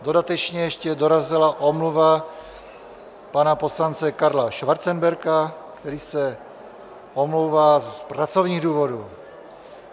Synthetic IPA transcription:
d̪od̪at̪ɛt͡ʃɲɛɛʃcɛd̪ɔɾazilaʔɔmluʋa | panapɔslant͡sɛkaɾlaʃʋaɾt͡sɛmbɛɾka | kt̪ɛɾiːsɛ | ɔmluːʋaspɾat͡sɔʊɲiːɣd̪uːvɔd̪uː

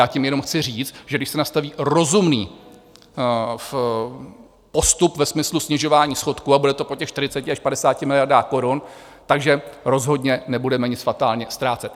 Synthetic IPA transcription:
jaːcɪmjɛno̞mxt͡sɪriːt͡st̪ʒɛɡdɪʃsɛnast̪aviːɾo̞zumniː | f | po̞st̪upvɛsmɪslusɲɪʒo̞vaːɲiːsxo̞t̪kuabudɛt̪o̞pocɛxʃt̪ɪɾ̝ɪt͡sɛcɪaʃpadɛsaːcɪmɪlɪjaɾdaːko̞ɾun | t̪aɡʒɛɾo̞zɦo̞dɲɛnɛbudɛmɛɲɪt͡sfat̪aːlɲɛst̪ɾaːt͡sɛt̪

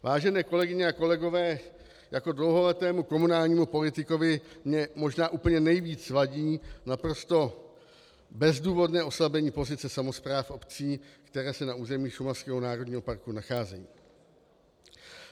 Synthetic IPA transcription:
vaːʒɛnɛːko̞lɛɡɪɲɛako̞lɛɡo̞vɛː | jako̞dlowɦo̞lɛt̪ɛːmuko̞munaːlɲiːmupo̞lɪt̪ɪko̞vɪmɲɛmo̞ʒnaːʔuːpl̩ɲɛnɛjviːt͡svaɟiːnapɾo̞st̪o̞ | bɛzduːvo̞dnɛːʔo̞slabɛɲiːpo̞zɪt͡sɛsamo̞spɾaːfʔo̞pt͡siːkt̪ɛɾɛːsɛnauːzɛmiːʃumaskɛːɦo̞naːɾo̞dɲiːɦo̞paɾkunaxaːzɛ̰jḭː

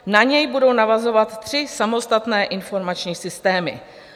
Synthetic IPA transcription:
naɲɛjbudo̞wnavazo̞vat̪ːr̥ɪsamo̞st̪at̪nɛːʔɪnfo̞ɾmat͡ʃɲiːsɪst̪ɛːmɪ̰

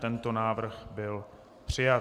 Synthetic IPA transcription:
t̪ɛnt̪onaːvr̩ɣbɪl | pr̝̥ɪja

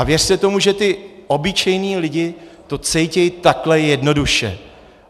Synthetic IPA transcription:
avjɛr̥sɛt̪o̞muʒɛt̪ɪo̞bɪt͡ʃɛjniːlɪɟɪt̪o̞t͡sɛjcɛjt̪aklɛjɛdno̞duʃɛ̰

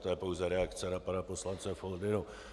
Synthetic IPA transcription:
t̪ojɛpo̞wzɛɾɛakt͡sɛnapanaposlant͡sɛfoldɪnu

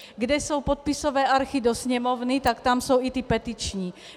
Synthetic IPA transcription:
ɡdɛso̞wpot̪̚pɪsovɛːʔaɾxidosɲɛmovnɪt̪akt̪amsowit̪ɪpɛt̪ɪt͡ʃɲiː

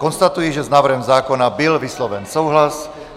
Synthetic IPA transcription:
kɔnst̪at̪ujɛʒɛznaːʋr̩ɦɛmzaːkɔnabilʋislɔʋɛnsɔʊɦlas

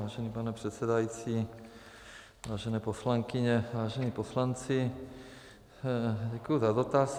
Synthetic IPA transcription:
aːʒɛniːpanɛpr̥ɛt̪sɛd̪ajiːt͡si | ʋaːʒɛnɛːposlaŋkiɲɛʋaːʒɛniːposlant͡si | ɟɛkujuzad̪ot̪aːs

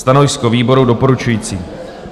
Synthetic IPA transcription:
t̪anojskoviːbo̞ɾudopoɾut͡ʃujiːt͡siː

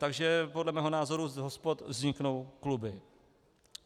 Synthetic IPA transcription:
t̪aɡʒɛpodlɛmɛːɦo̞naːzo̞ɾuɦospot̪vzɲɪkno̞wklubɪ

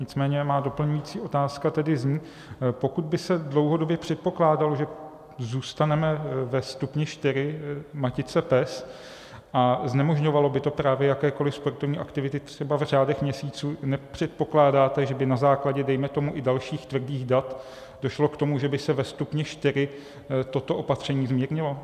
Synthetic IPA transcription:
ɲɪt͡smɛːɲɛmaːdo̞pl̩ɲujiːt͡siːʔo̞t̪aːskat̪ɛdɪzɲiː | po̞kud̪̚bɪsɛdlo̞wɦodo̞bjɛpr̥ɛt̪̚po̞klaːdaloʒɛ | zuːst̪anɛmɛvɛst̪upɲɛʃt̪ɪɾɪmacɪt͡sɛpɛs | ʔaznɛmo̞ʒɲovalo̞bɪt̪opɾaːvjɛjakɛːko̞lɪfspoɾt̪o̞vɲiːʔakt̪ɪvɪt̪ɪt̪r̝̥ɛbavr̝aːdɛxmɲɛsiːt͡suːnɛpr̥ɛt̪̚po̞klaːdaːt̪ɛʒɛbɪnazaːklaɟɛdɛjmɛt̪o̞muʔɪdalʃiːxt̪vr̩diːɣdat̪ | do̞ʃlo̞kt̪o̞muʒɛbɪsɛvɛst̪upɲɛʃt̪ɪɾɪ | t̪o̞t̪o̞ʔo̞pat̪r̝̥ɛɲiːvzmɲiɾɲɪlo̞

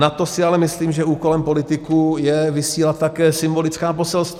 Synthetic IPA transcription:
nat̪o̞sɪalɛmɪsliːmʒɛuːko̞lɛmpo̞lɪt̪ɪkujɛvɪsiːlat̪tːakɛːsɪmbo̞lɪt͡skaːpo̞sɛlst̪v

